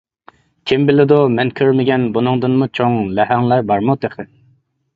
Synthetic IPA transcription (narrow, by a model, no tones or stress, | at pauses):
kʲʰembɪlɪd̪umɛnkʲʰøɾmɪɡʲɛnbunɨŋd̪ɨnmut͡ʃʰoŋlɛɦɛŋlˠɑjbɑɾmut̪eχɪ